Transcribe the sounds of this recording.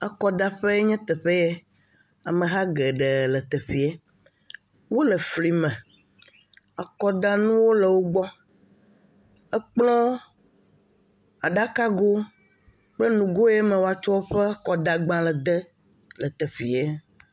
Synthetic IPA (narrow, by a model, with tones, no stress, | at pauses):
ɛ˦kɔ˨d̪a˦ɸe˦ɲɛ̃˦t̪ɛ˨ɸe˦jɛ˦ | a˨mẽ˨ɦa˦ɡɛ˨ɖɛ˨lɛ˨t̪ɛ˨ɸi˨ɛ˦ | wo˦lɛ˨fli˨mɛ̃˨ | a˨kɔ˦d̪a˦nũ˦wo˦lɛ˨wo˦ɡ͡bɔ˦ | ɛ˦k͡plɔ̃˦ | a˨ɖa˦ka˦ɡo˦ | k͡plɛ˦nũ˨ɡo˦jɛ˦mɛ̃˨wo˨˦a˨t͡ʃɔ˦o˦ɸɛ˦kɔ˨d̪a˨ɡ͡bã˦lɛ˨d̪ɛ˦ | lɛ˨t̪ɛ˨ɸi˨ɛ˦